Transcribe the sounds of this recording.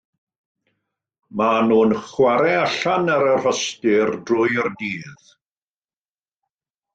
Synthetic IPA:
manuːnχwaɾɛaɬanaɾər̥ɔstɪrdrʊjərdiːð̥

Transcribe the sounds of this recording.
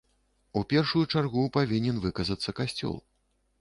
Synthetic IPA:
upʲɛrʂujut͡ʂarɣupavʲinʲɛnvɨkɐzɐt̪sːɐkasʲt͡sʲɔ̰lˠ

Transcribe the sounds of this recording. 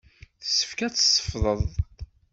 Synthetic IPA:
θə̥sːə̥fkæt͡sːsːə̥fðˤəðˤ

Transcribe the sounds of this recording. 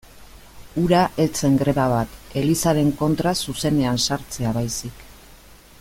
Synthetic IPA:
uɾaʔe̞t͡se̞ŋɡɾe̞βaβat̪e̞lisaɾe̞ŋko̞nt̪ɾasuse̞ne̞ansaɾt͡se̞aβajsik

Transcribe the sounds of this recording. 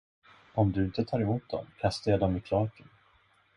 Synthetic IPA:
ɔmd̪ɵɪnt̪ət̪ʰɑːɾɛmuːt̪̚d̪ɔ̰mkʰast̪əjɑd̪ɔmɪkʰlɑːkən

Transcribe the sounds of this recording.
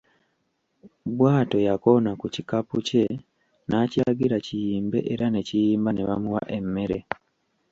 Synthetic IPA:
bwaːto̞jako̞nakucikapuce̞ | nacaɡiɾacijiːmbe̞̰ʔeɾane̞cijiːmbaneβa̰muwa̰ʔe̞mːe̞ɾe̞

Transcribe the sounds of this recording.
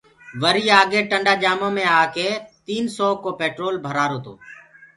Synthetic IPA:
ʋəɾiːaːɡeːʈəɳɖaːd͡ʒaːmõːmẽːaːkeːt̪iːnsɔːkoːpeːʈɾoːlbʱəɾaːɾoːt̪o̰ː

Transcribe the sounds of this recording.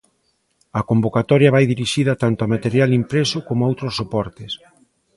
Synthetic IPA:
ɐkombokat̪ɔɾjɐβajðiɾiʃiðɐt̪ant̪ʊamat̪eɾjalimpɾesʊkomoowt̪ɾosːopɔɾt̪ɪs

